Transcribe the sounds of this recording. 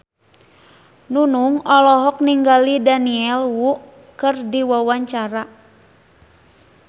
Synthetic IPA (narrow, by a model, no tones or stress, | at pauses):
nunuŋɔlɔɦɔk̚niŋɡalidaniɛlwuʔ | kɨrdiwawaɲt͡ʃaɾa